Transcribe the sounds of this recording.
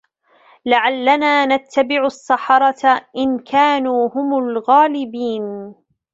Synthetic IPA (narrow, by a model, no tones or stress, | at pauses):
laʕalːanaːnat̪ʰːabɪʕʊʔɑsˤːɑħɑɾˤɑt̪aʔɪnkʰaːnuːhʊmʊlɣaːlɪbiːn